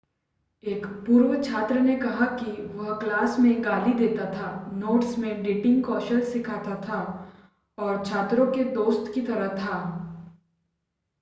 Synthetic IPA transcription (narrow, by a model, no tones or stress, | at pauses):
eːkpuːɾʋət͡ʃʰaːt̪ɾənekɐɦakiʋɐɦklaːsmẽɡaːlid̪eːt̪at̪ʰanoːʈsmẽɖeːʈɪ̃ŋɡkɔːʃəlsɪkʰaːt̪at̪ʰa | ɔːɾt͡ʃʰaːt̪ɾõked̪oːst̪kit̪ɐɾəɦt̪ʰaː